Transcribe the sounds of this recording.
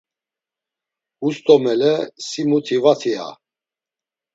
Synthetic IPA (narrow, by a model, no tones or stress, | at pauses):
ust̪ʼɔmɛlɛsimut̪ʰivat̪ʰia̰